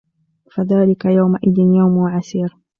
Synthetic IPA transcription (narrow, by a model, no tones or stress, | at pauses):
faðaːlɪkajawmaʔɪðɪnjawmwʕasiːɾ